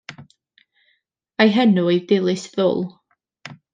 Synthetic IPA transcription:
ajɦɛnuidɪlˠɨsðʊ̰lˠ

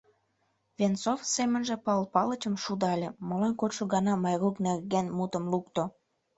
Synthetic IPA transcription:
vʲent͡sofsemə̆nʒĕpɑlpɑlət͡ɕəmʃud̪ɑlʲeməlɑnkot̪ʃoɣɑnɑmɑjruknerɣenmut̪əmlukt̪o

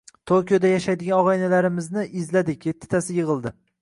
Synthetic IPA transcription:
t̪ʰokʲijod̪ajaʃajd̪ɪɡʲanɒʁɑjnalaɾɪmɪznɪʔɪzlad̪ɪkʲje̞t̪ʰːɪ̥t̪ʰasɪjɨʁɨlˠd̪ɪ

